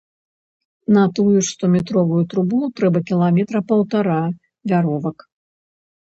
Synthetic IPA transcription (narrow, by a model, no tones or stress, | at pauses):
nɐt̪ujuʂst̪ɔmʲɛt̪ɾɔvujut̪ɾubulˠut̪ɾɛbɐkʲilˠamʲɛt̪ɾɐpɐwt̪aɾa | vʲaɾɔvɐk